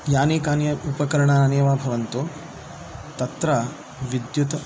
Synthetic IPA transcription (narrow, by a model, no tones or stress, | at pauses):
jaːneːkaːnjɐupɐkɐɾɐɳɐɾaːneːʋaːbʱɐʋɐnt̪oː | t̪ɐt̪ɾɐ | ʋid̪jut̪ɐ